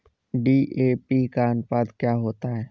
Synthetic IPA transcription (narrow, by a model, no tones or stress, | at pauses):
ɖiːʔeːpikaənpaːd̪kjaːɦoːt̪aɦɛː